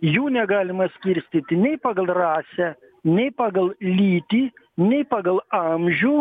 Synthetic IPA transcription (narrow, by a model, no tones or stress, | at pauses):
juːnʲɛɡɑːlʲɪmɐsʲkʲɪɾʲsʲt̪ʲit̪ʲɪnʲɛɪpɑːɡɐlˠrɑːsʲɛ | nʲɛɪpɑːɡɐlˠlʲiːt̪ʲiː | nʲɛɪpɑːɡɐlˠɐmʲʒʲuː